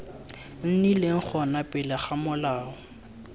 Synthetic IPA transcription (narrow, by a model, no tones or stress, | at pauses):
n̩nileŋ̩k͡xʰɔnapʼɪlaχamʊlaːɔ